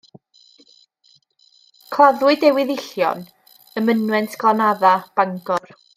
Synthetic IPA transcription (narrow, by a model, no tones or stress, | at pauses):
kʰlˠaðwɪdɛwɪðɪɬjɔ̰n | əmənwɛntʰɡlˠanaðab̥aŋɡɔr